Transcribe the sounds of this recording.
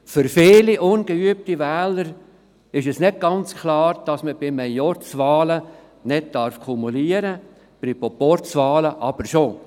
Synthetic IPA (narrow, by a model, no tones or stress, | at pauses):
fʏɾfɪːliʔʊnɡ̥əyəp̚tiʋɛːləɾ | ɪʃɛsnɪd̚ɡ̥ɑnt͡skʰlɑːɾd̥ɑsməbɪmɛjjɔɾt͡sʋɑːlə | nɪd̚dɑɾfkʰumuliəɾə | b̥ɾipopɔɾt͡sʋɑːləʔɑb̥əɾʃo